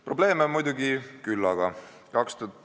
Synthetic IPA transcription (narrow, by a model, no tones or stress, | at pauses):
prob̥le̞ːmemujd̪̥uɡikylːɑɡ̥ɑ | kɑkst̪ud̪